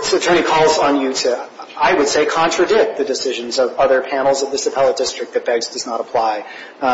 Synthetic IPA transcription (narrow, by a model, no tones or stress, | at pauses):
sɨtʰɜ̃˞nikʰɔlˠzn̩jɨɾʰɨaɪwɨd̥seɪkʰɑ̃ntɹ̥ɨdɪk̪̚ðɨdɨsɪʒɨ̃nzʌvʌðə˞pʰæ̃nl̩ˠzʌvðɨsɨpʰɛlˠəd̥ɪstɹ̥ɨk̚ðɨt̚b̥ɛɡzdʌznəɾəpʰl̥aɪ